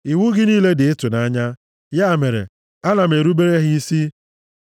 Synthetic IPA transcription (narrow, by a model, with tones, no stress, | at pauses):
i˨wu˦ɡɪ˦niː˦le˦dɪ˨e˦tʊ˨na˦ɲa˦ | ja˦˨me˨ɾḛ˨ | a˦na˨m̩˨e˨ɾu˦be˦ɾe˦ɦɪ˦i˦si˦